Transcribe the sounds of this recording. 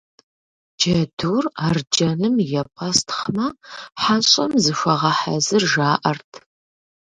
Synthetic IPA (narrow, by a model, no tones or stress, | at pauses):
d͡ʒɐduːraːrd͡ʒɐnɨmjɛpʼɐstʰχmɐħaɕʼɐmzɨʃʷɐʁɐħa̰zɨrʒaːʔɐrtʰ